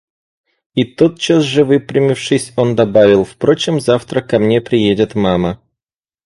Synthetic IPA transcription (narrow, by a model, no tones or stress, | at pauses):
it̪ot̪̚t͡ɕasʐɨvɨpɾʲɪmʲɪfʂɨsʲo̞nd̪ɐbavʲɪlˠfpɾo̞t͡ɕɪmzaft̪ɾəkɐmnʲe̞pɾʲɪjedʲɪt̪mamə